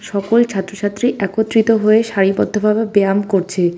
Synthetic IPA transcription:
ʃɔkolt͡ɕʰat̪ːɾoʃʰat̪ːɾiʔɛkot̪ːɾit̪oɦoeʃaɾibɔd̪ʱːobʱabebeamkoɾt͡ɕʰe

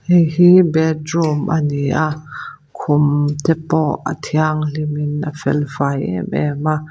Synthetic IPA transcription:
hɛjhibɛt̚rumʔaniʔaʔ | kʰʊmt̪ɛpɔʔa̰t̪ʰiaŋlimɪnʔafɛ̰lvajɛ̰mɛ̰ma

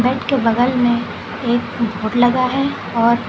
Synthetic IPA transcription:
bɛːʈʰkebɐɡəlmẽ | eːk̚bʱoːɽlɐɡaɦɛ | ɔːɾ

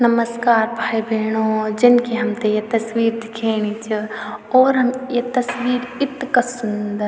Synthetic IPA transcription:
nɐməskaːɾbʱaːjbʱeːɳ̃oːd͡ʒɐnkiɦɐmt̪ejet̪ɐsʋiːɾd̪ɪkʰeːñit͡ʃʰioːɾɦɐmjet̪ɐsʋiːɾɪt̪kɐsund̪ɐɾ

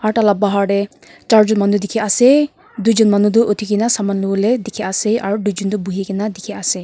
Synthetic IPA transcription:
aɹtalab̚baɦaɹɖɛ | t͡ʃaɹzɔnmanudikʰiasɛ | dujzɔnmanud̬ʊʔotʰikinasamanloɡɔlɛdekʰiasɛaɹudujd͡ʒɔndubuɦikinadikʰiasɛ

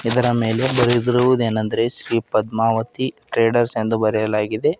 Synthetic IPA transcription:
id̪ɐɾɐme̞ːle̞bɐɾid̪iɾuʋud̪e̞ːnɐnd̪ɐɾe̞ʃɾiːpɐd̪maːʋɐt̪iʈɾeːɖɐɾsend̪ubɐɾɛjɐlaːɡid̪e̞

